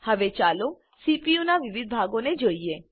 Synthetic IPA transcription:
həʋet͡ʃalo | sipijunaʋɪʋɪd̪̚ʱbʱaɡoned͡ʒoie

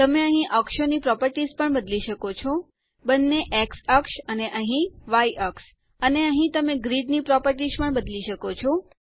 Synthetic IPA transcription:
t̪əmeəɦĩʔəkʃonipɾɔpəɾʈizpəɳbəd̪liʃəkot͡ʃʰo | bənːeʔeksəkʃəneʔəɦĩʋaiʔəks | əneəɦĩt̪əmeɡɾiɖnipɾɔpəɾʈizpəɳbəd̪liʃəkot͡ʃʰo

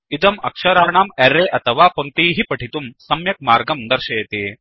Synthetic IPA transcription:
it̪ɐmɐkʂɐɾaːɳaːmeɾːeːʔɐt̪ʰɐʋaːpɐŋk̚t̪iːɦipɐʈʰit̪umsɐmjɐk̚maːɾɡɐmd̪ɐɾʃeːɐt̪iː

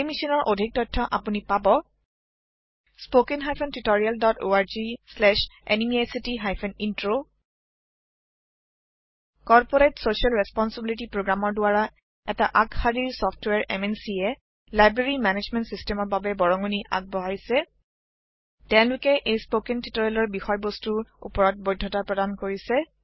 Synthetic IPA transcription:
ejmisinɔɹʔodʱik̚tɔjtʰːɔʔa̰punipabɔ | spokinɦajpʰɔntutoɹialdɔto̰aɹzislɛʃḛnimiasitiɦajpʰɔnintɹo | kɔɹpɔɹetsosialɹɛspɔnsibilitipɹoɡɹamɔɹdʊaɹa | ɛtaʔakxadiɹsɔftwaɹʔɛ̰mɛnsiɛ | lajbɹeɹimɛned͡ʒmɛntsistɛmɔɹbabɛbɔɹɔŋoniʔa̰k̚bɔɦaɹisɛ | tɛ̃ʊ̃lʊkɛʔejspokentitoɹialɔɹbixɔjbɔstuɹṵpɔɹɔt̚bojdʱːɔtapɹɔdankoɹisɛ

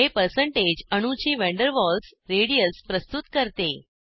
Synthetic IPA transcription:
epəɾsəɳʈed͡ʑəɽ̃ũt͡ɕiːʋɛ̃ɳɖəɾʋɔls | ɾeɽijəspɾəst̪ut̪kəɾt̪e

